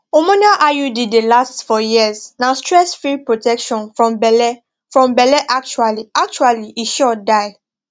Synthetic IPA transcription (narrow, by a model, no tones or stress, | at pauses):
omɔ̃naʔajudidelastfɔjiəznãstʰɹɛsfɹipɹotʰɛkʃɔ̃nfɹɔ̃mbɛlɛ | fɹɔ̃mbɛlɛʔak̚t͡ʃualiak̚t͡ʃualiʔiʃɔdaɪ